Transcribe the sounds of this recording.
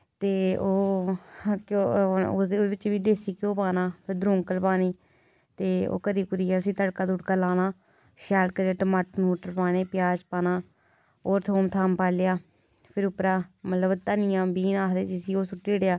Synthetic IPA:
t̪eːoː | kood̪ebɪt͡ʃʋiːd̪eːsiːkõːpaːnaːpʰɪɾd̪ɾʊ̃ːŋkəlpaːniː | t̪eːo̰ːkəɾiːkʊɾiːaːʊsĩːt̪əɽkaːd̪ʊɽkaːlaːnaː | ʃaːlkəɾaːʈəmaːʈmoːʈəɾpaːneːpɪjaːd͡ʒpaːnaː | oːɾt̪ʰoːmt̪ʰaːmpaːlejaː | pʰɪɾʊpɾaːmət̪ləbt̪ənijãːbiːnaːkd̪eːd͡ʒɪsiːoːsʊʈːeːɽjaː

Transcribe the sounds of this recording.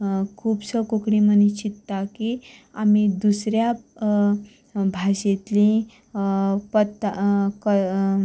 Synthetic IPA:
kʰuːpsəkokɽimənit͡ɕit̪ːakiamid̪usɾja | bʱaɕet̪lĩ | pət̪ːkə

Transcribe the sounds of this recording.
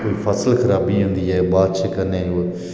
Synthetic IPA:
koːiːfʰəsəlkʰəɾaːbiːɦʊ̃ːnd̪iːɛːbaːd̪t͡ʃʰəkənẽːo

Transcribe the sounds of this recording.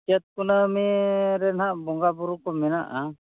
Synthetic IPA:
kɛt̪̚kunamiɾɛnaʔbɔŋɡabuɾukɔmɛnaʔa

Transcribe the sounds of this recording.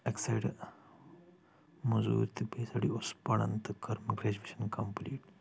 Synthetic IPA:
ɐksɐjɽ | mɐzṵːɾt̪ibeːsɐɽiospɐɭɐ̰nt̪ɨkɐɾmɐɡɾeːd͡ʒʋiʃɐnkɐmpliːʈ

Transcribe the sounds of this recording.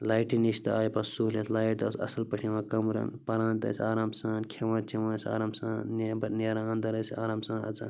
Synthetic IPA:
laːjʈiniʃt̪ɐaːjpɐssulʲet̪laːjʈ̚d̪ɐsɐ̰sɐlpɐʃʰimãːkɐmɾɐ̰npɐɾãːnt̪ɐ̰sʲaːɾaːmsaːnkʰeʋãːt͡ʃʰiʋãːnsʲa̰ːɾaːmsaːnnbɐneɾãːnd̪ɐɾɐsa̰ːɾaːmsãːnɐ̰t͡sã̰ː

